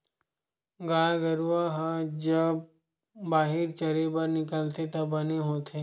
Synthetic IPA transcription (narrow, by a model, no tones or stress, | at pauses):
ɡaːɡəɾuʋaɦd͡ʒəb̚ | baːɦɪɾt͡ʃəɾebəɾnɪkəlt̪et̪ɐbɐneɦoːt̪ʰeː